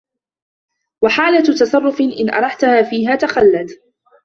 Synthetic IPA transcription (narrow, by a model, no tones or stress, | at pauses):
waħaːlat̪ɑsˤɑrˤːʊfɪʔɪnʔɑ̰ɾˤɑħt̪ʊhaːfiːɦaːt̪axalːad̪